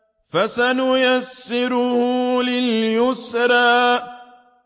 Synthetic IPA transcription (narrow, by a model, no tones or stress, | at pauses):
fasanʊjasːɪɾʊhlɪljʊsɾˤɑːʔ